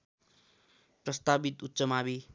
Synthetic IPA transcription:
prʌst̪abit̪ut̪ːsʌmabi

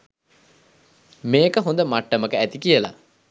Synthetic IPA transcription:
meːkəɦond̪əmaʈːəməkəæt̪ikijəla̰

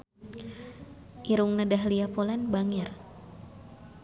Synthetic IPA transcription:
ʔiɾuŋnadaɦliapolanbaŋɛr

